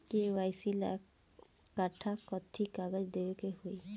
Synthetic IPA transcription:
kewajsila̰kː | aʈʰakɔt̪ʰikaɡɔd͡ʒd̪ewkeɦuj

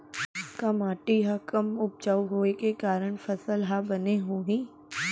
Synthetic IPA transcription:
kɐmaːʈiɦakəmʊp̚t͡ʃaːuɦoːekekaːɾəɽ̃fɐsəlɦabɐneɦoɦĩː

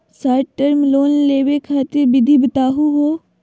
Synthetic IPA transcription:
saːɾʈəɾmloːnleːʋekʰaːt̪ɪɾbɪd̪ʱibət̪aːɦuɦoː

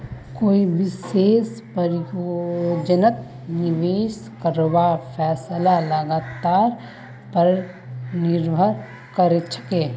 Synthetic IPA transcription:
koːiʋɪseːspəɾɪjod͡ʒənət̪ | nɪʋeːʃ | kəɾʋafʰɛːslaləɡaːt̪aːɾ | pəɾ | nɪɾbʱəɾ | kəɾet͡ʃə̥keː

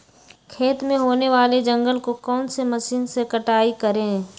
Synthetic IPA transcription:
kʰeːt̪mẽɦoːneʋaːled͡ʒə̃ŋɡəlkokɔːnsemɐsiːnsekəʈaːikəɾẽː

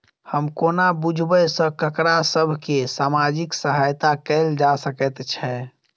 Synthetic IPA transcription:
həmkonabud͡ʒʱbəsə̃kəkɾasəbʱkesamad͡ʒiksəɦajt̪akɛɪld͡ʒasəkɛt̪t͡ʃʰɛ

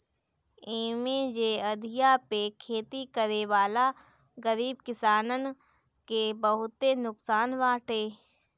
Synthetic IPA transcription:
eːmẽd͡ʒeəd̪ʱijapekʰeːt̪ikəɾeʋaːlaɡəɾiːbkɪsaːnən | kebəɦʊt̪enʊksaːnʋaːʈʰeː

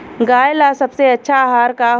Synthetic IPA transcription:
ɡaːjlasəbseɐtːʃʰaɦaːɾkaɦ

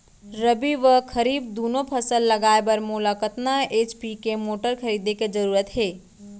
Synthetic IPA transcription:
ɾəbiʋəkʰɐɾiːb̚d̪oːnõpʰɐsəlːɐɡaːebɐɾmʊːlakət̪naeːt͡ʃpikemoːʈəɾkʰɐɾiːd̪eked͡ʒɐɾuːɾət̪ɦeː

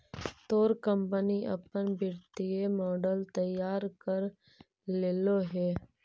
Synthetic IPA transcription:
t̪oːɾkəmpəniʔɐ̰pənbɪɾt̪iemɔːɖəlt̪əjaːɾkəɾ | leːloɦɛː

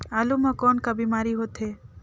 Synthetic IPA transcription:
alumɔkɔːnkabimaːɾiɦot̪ʰɦe

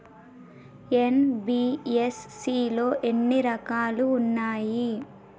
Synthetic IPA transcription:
enbiːesːiːlo̞ːʔenːiɾɐkaːluːnːaːji

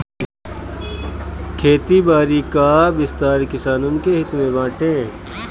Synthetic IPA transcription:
kʰeːt̪ibaːɾikaːbɪst̪aːɾkɪsaːnʊnkeɦɪt̪mẽbãːʈẽː

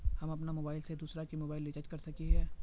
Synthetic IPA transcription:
hɐmɐpnamoːbaːɪlsed̪uːsɾakimoːbaːɪlːɪt͡ʃɐt͡ʃkɐɾsɐkiɦɛː

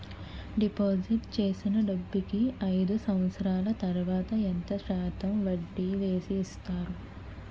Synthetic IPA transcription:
ɖipoːd͡ʒiʈt͡ʃe̞ːsinɐɖɐbːikiɐjd̪usɐmʋɐt̪sɐɾaːlɐt̪ɐɾuʋaːt̪ɐent̪ɐʃaːt̪ɐmʋɐɖːiʋe̞ːsiːst̪aːɾu

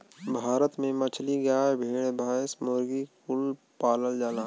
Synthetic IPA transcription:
bʱaːɾət̪mẽmɐt͡ʃʰliɡjaːbʱeːɽbʱaːsmoːɾɡikʊl | paːləld͡ʒaːla

